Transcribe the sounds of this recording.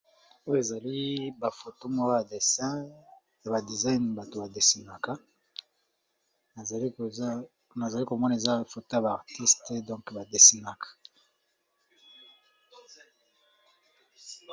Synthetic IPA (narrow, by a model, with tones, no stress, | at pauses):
o˦jo˦e˨za˨li˦ba˨fo˨to˦mo˨wa˦ba˨de˨sɛ˦ | ja˨ba˨di˨za˦jnba˨to˨ba˨de˨si˨na˨ka˦˨ | na˨za˨li˦ko˨mɔ˦na˨e˨za˦fo˨to˦ja˨ba˨a˨ʁti˦ste˨dɔ̃˦ŋkba˨de˨si˨na˨kḁ˨